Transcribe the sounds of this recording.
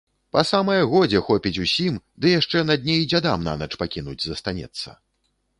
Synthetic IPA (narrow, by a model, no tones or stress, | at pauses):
pɐsamɐjɐɣɔd͡zʲɛxɔpʲit͡sʲusʲimd̪ɨjaʂt͡ʂɛnɐd̪ʲnʲejd͡zʲad̪amna̰nɐt͡ʂpakʲinud͡zʲzɐst̪anʲɛ̰t̪sːɐ̰